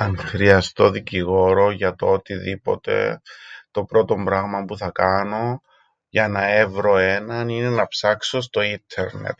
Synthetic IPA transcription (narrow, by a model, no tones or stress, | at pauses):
ɐnxɾiɐst̪o̞ðiciɣo̞ɾo̞ʝɐt̪oot̪iðipo̞̰t̪e̞̰t̪o̞pɾo̞t̪o̞mbɾɐɣmɐmpuθɐkɐno̞ | ʝɐnɐe̞vɾo̞e̞nɐnine̞nɐpsɐkso̞s̬t̪o̞int̪ʰeɾnḛt̪